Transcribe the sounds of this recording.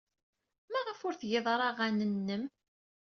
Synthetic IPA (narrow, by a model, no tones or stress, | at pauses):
mæʁəfʊɾθjeðˤɾˤɑʁænənːəm